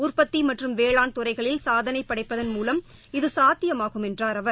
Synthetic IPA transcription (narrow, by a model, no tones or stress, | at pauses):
ʊrpɐt̪ːimɐʈrɯmʋeːɭaːnt̪ʊrɐɪɣɐɭɪlsaːðɐnɐɪpːɐɽɐɪpːɐðɐnmuːlɐm | ɪðɯsaːt̪ːɪjɐmaːɣɯmɛndraːɾɐʋɐɾ